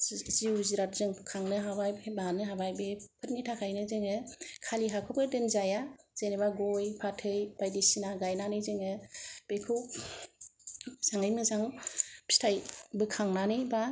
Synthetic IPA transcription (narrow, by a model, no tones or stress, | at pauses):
ziwziɾatzɯŋʰkʰaŋnɯɦabajbbanɯɦabajbepʰɯt̚nitʰakʰajnɯzɯŋɯkʰaliɦakʰɯp̚ɯdɯnzajaz̥enebaɡojpʰatʰɯjb̥ajdisinaɡajnanɯjzɯŋɯb̥ekʰɯ | z̥aŋɯjmɯzaŋpʰi̥stʰajbɯkʰaŋnanɯjba